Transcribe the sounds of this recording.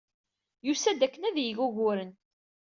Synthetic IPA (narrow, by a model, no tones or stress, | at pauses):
jusæd̪ækːənæðjəʝuʝʊɾən